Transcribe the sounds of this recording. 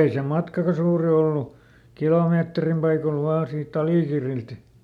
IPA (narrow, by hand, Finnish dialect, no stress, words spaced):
ei se mɑtkɑkɑ suːri olːu kiloˑmeːtrim pɑikol ʋɑː siːt ɑliˑkirːilt